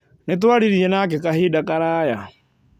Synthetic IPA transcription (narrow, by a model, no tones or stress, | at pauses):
nit̪̬waɽiɾiɛnak̬ɛkʼaɦidakʼaɾaːja